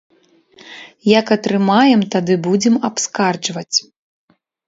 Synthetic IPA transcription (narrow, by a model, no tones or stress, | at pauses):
jɐkɐt̪ɾɨmajɛmt̪ad̪ɨbud͡zʲɛmapskard͡ʐvɐt͡sʲ